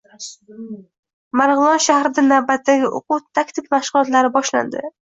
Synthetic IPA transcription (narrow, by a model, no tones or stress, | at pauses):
maɾʁɨlˠɒnʃahɾɪd̪anavbat̪ːaɡʲɪʔʊ̰qut̪ʰːakʲt̪ʰɪkʲmaʃʁʊlˠɒt̪laɾɪbɒʃla̰nd̪ɪ̰